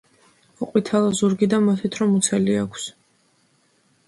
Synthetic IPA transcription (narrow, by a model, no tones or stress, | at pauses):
ɔqʼwit̪ʰalˠɔzuɾɡid̪amat̪ʰit̪ʰɾɔmut̪sʰɛliakʷʰs